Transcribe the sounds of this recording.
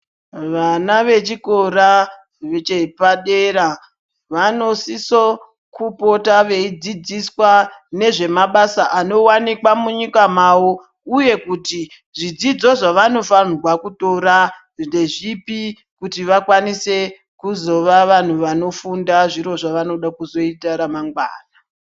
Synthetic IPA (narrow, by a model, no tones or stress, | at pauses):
ʋanaʋe̞t͡ʃiko̞ɾa | ʋet͡ʃepaɗeɾa | ʋano̞siso | kupotaʋe̞id͡zid͡ziswane̞ʐe̞maɓasaʔano̞wanikwamuɲikamawo̞ | uje̞kuti | ʐid͡zid͡zo̞ʐaʋano̞fanrwakuto̞ɾa | nde̞ʐipi | kutiʋakwanise̞ | kuzo̞ʋaʋan̤uʋano̞fundaʐiɾo̞ʐaʋano̞ɗakuzo̞itaɾamaŋɡwa̰ːna